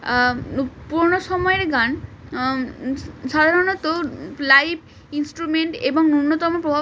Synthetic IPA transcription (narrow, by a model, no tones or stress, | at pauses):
puɾnoʃɔmɔeɾɡan | ʃad̪ʱaɾonot̪olajb | insʈɾumeɳʈeboŋnunːot̪ɔmopɾobʱa